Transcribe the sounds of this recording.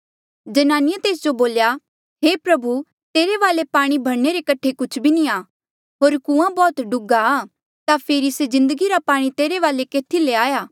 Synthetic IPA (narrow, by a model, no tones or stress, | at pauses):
d͡ʒɐnaːnɪjət̪eːs̬d͡ʒoboːlja | ɦeːpɾɐbu | t̪eːɾeʋaːlepaːɽ̃ibʱɐɽneɾekɐʈʰekʊt͡ʃʰbʱinĩaː | ɦoːɾkũãbɔːt̪ɖʊɡaː | t̪apʰeːɾisezɪ̃nd̪əɡiɾapaːɽ̃it̪eːɾeʋaːlekeːt̪ʰileaːjaː